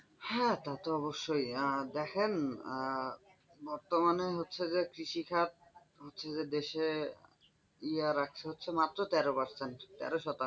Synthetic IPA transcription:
hɛt̪at̪oɔβoʃːojd̪ɛkʰen | bɔɾt̪omaneɦotːɕʰed͡ʑekɾiʃikʰat̪̚ | ɦotːɕʰed͡ʑed̪eʃe | iaɾak̚ʰt͡ɕʰeɦotːɕʰemat̪ːɾot̪ɛɾopaɾsenʈt̪ɛ̰ɾoʃɔt̪a

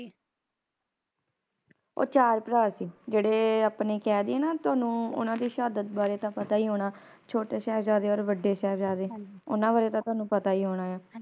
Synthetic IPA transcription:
o̰ːt͡ʃaːɾpɾaːsiːd͡ʒeːɽeːapneːkɛːd̪eːɛːnaːt̪ʊaːnũːʊ̰nãːd̪iːʃaːd̪ət̪̚baːɾeːt̪ãːpət̪aːiːɦoːɽaː | t͡ʃʰoːʈeːsɛːpʰd͡ʒaːd̪eːɔːɾʋəɖeːsɛːpd͡ʒaːd̪eːʊnãːʋaːɾeːt̪ãːt̪ʊaːnũːpət̪aːiːɦoːɽ̃aːjaː

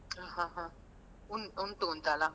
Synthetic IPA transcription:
aɦãɦã | unun̩tʼuntʼala

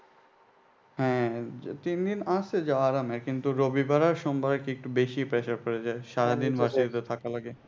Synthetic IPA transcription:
hɛ̃t̪ind̪inast̪ed͡ʑaaɾamɛɾkint̪uɾobibaɾaɾʃombʱaɾaɾkiek̚ʈubeʃipɾeʃaɾkoɾed͡ʑaeʃaɾad̪inbaʃid̪it̪et̪ʰakalaɡe

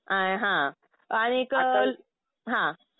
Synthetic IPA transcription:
aɦã | aɽ̃ikəl | ɦã

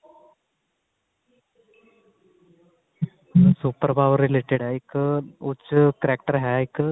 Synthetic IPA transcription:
suːpːrɐbʱaːʋrileːʈːeɽajikːɨut͡ɕːɨkɐɾaːk̚ʈɐrɦaːjikːɨ

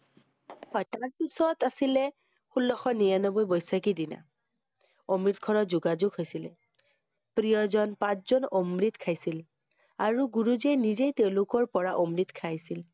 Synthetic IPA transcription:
hɔjtaɹpisɔtasilɛ | xulːɔxɔnijanɔbojbɔjsakidina̰ | omɹit̪̚kʰɔɹɔzʊɡazʊɡɦojsilɛ | pɹijɔzɔnpãt͡ʃzɔnɔmɹit̪kʰajsil | aɹuɡuɹuzenizejteʊ̃lʊkɔɹpɔɹaʔɔmɹit̪kʰajsil

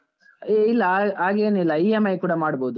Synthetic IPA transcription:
eilːɐaːɡeːnilːɐiemɐjkuːɽɐmaːɽboːd̪u

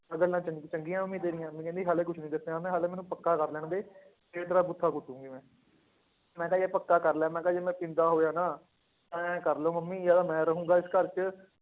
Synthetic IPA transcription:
əɡəɾnãːt͡ʃət͡ʃəŋɡĩjãːməmːĩːt̪eːɾɪ̃jãːmɛ̃ːkɛ̃ːnd̪iːɦaːleːkʊt͡ʃʰnĩːd̪əseãːmɛ̃ːɦaːleːmɛːnũːpəkːaːkəɾlɛːɳ̃d̪eː | eɾeːt̪əɾaːbʊt̪ʰːaːkʊt̪ːũːŋɡiːmɛ̃ː | mɛ̃ːkɛjeːpəkːaːkəɾlɛːmɛ̃ːkɛ̃d͡ʒeːmɛ̃ːpɪ̃nd̪aːɦoːjaːnaː | ɛ̃ːkəɾloːməmːiːjaːd̪aːmɛ̃ːɾəɦũːŋɡaːɪskəɾt͡ʃə

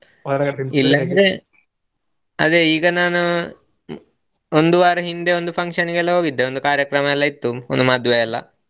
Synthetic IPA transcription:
ilːɐɾe | ɐ̰ðeiːɡɐnaːnu | ond̪uʋaːɾɦind̪eo̞nd̪upʰɐŋkʂɐniɡelːɐɦo̞ːɡid̪ːeond̪ukaːɾjɐkɾɐmɐɛlːɐit̪ːuond̪umɐd̪ʱjʋejɐlːɐ̰

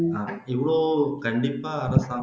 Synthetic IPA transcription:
aː | ɪʋɪɭoːkɐɳɖɪpːaːɐɾɐsaː

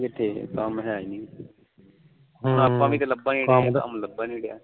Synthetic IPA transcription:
kɪt̪ʰːḛːkamɦɛ̃ːaːiːniː | ɦʊnaːpːãːʋĩːt̪eːləbːaːniːə̰mləbːaːniːɽja̰ː

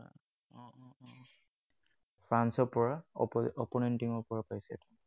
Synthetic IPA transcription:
ɔ̃ɔ̃ | pʰɹansɔpɔɹaɔpɔnɛntiŋɔɹpɔɹapajsɛɛ̰tɔ

